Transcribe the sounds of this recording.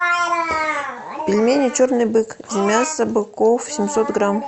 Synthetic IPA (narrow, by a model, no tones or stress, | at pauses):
pʲɪlʲmʲenʲɪt͡ɕornɨjbɨkzʲɪmʲasəbɨkofsʲɪmʲsot̪ɡram